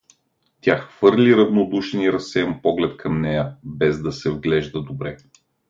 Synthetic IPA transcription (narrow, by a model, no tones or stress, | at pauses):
t̪ʲjaxv̥ɤɾlʲiɾɐvnod̪uʃɛniɾɐsɛəmpɔɡlɛt̪kʰɐmnɛjəbɛzd̪ɐsɛvɡlɛʒd̪əd̪obɾɛ